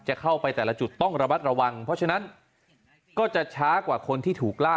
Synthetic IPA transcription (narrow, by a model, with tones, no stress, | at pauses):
t͡ɕa˨˩kʰa˥˩wpa˧jt̪ɛː˨˩la˦t͡ɕu˨˩t̪ːɔ˥˩ŋɾa˧ma˦˥t̪̚ɾa˧wa˧ŋpʰɔ˦˥t͡ɕʰa˥˧na˦˥n | kɔː˥˩t͡ɕa˨˩t͡ɕʰaː˦˥kwaː˨˩kʰo˧nt̪ʰiː˥˩t̪ʰuː˨˩k̚laː˥˩